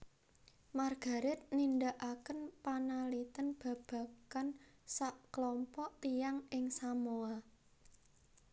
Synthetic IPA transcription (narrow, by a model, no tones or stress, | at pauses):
marɡ̥a̤ɾɪt̪̚nindaʔakənpanalit̪ənb̥ä̤b̥ä̤kansaʔklɔmpɔʔt̪ijaŋʔɪŋsamoa